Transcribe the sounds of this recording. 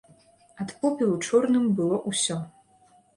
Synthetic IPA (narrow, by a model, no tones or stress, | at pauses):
at̪pɔpʲilˠut͡ʂɔrnɨmbɨlˠɔʔusʲɔ